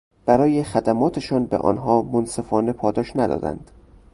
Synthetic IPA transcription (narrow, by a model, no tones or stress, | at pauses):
b̥æɾɒːje̞xæd̪æmɒːt̪ʰe̞ʃɒːnbḛʔɒ̰ːnɦɒːmonse̞fɒːne̞pʰɒːd̪ɒːʃnæd̪ɒ̰ːd̪æ̰nd̪̥